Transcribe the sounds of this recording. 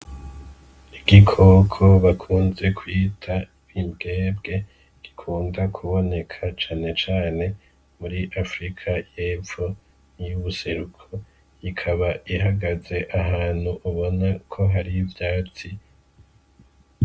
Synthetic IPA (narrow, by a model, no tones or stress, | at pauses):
iɡikʰo̞kʰo̞βakʰuːnze̞kʰwiːtʰa | imɡe̞ːbɡe̞ | ɡ̥ikʰuːndakʰuβo̞ne̞kʰat͡ʃaːne̞t͡ʃaːne̞ | muɾiʔafɾikʰajeːfo | ijuβuse̞ɾukʰo̞ | ikʰaβaʔiɦaɡaze̞ʔaɦaːn̥huʔuβo̞nakʰo̞ɦaɾivjaːt͡si